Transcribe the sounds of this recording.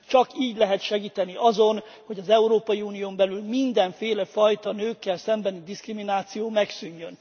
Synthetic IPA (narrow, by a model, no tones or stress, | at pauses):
t͡ʃɒkiːɟlɛɦɛt̪ʃɛɡiːt̪ɛniʔɒzo̞n | ho̞ɟɒzɛuɾoːpɒjiuːnijoːmbɛlylmind̪ɛɱfeːlɛfɒjt̪ɒnøːkːɛlsɛmbɛnid̪iskriminaːt̪sijoːmɛksyɲːøn